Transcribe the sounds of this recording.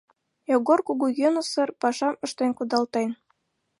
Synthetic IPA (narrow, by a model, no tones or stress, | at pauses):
joɣorkuɣujənəsə̆rpɑʃɑmə̆ʃt̪enkud̪ɑlt̪en